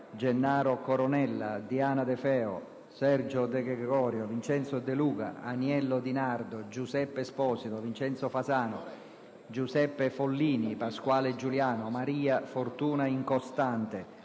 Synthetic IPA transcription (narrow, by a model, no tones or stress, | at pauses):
d͡ʒɛnːaːɾokoɾɔnɛlːad̪iaːnad̪ɛfɛːo̰ | sɛrd͡ʒod̪ɛɡɾɛɡɡɔːɾjovint͡ʃɛnt̪sod̪eluːka̰anjɛlːod̪inard̪od͡ʒusɛpːespɔːsit̪ovint͡ʃɛnt̪sofasaːno | d͡ʒusɛpːefolːiːnipaskwaːled͡ʒuljaːnomaɾiːafort̪uːnaiŋkost̪ant̪e